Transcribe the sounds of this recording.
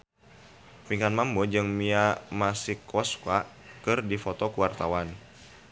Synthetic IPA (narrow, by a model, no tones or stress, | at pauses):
piŋanmambɔd͡ʒɨŋmiamasikʰːɔska | kɨrdifɔt̪ɔkuwart̪awan